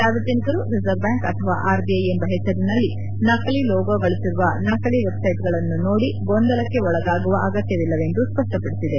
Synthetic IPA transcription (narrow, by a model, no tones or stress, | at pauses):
d͡ʒaːʋid͡ʒ̪ɐnikɐɾuɾizɐɾbjaːŋkɐt̪ʰɐʋa̰ːʔaːɾbiɐjembɐɦɛt͡ʃːɐɾinɐlːi | nɐkɐɭilɔːɡoːɡɐɭisiɾuʋɐnɐkɐliʋebsɐjʈ̚ɡɐɭɐnːuno̞ːɽiɡond̪ɐlɐkːe̞ɔɭɐɡaːɡuʋɐʔɐɡɐt̪jɐʋilːɐʋe̞nd̪uspɐʂʈɐpɐɽisid̪e̞